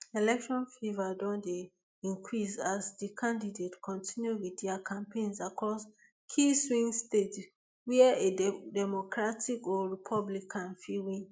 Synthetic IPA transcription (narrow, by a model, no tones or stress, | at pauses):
elɛkʃɔ̃nfivadɔ̃nde | ĩŋkʰɹisasdikʰãndidetkʰɔ̃ntʰĩnjuwiθdɛakʰãmpẽnsakɔs | kʰiswĩŋstet | wiaedɛmokɹatʰikɔɹipʰɔblikʰãnfiwĩn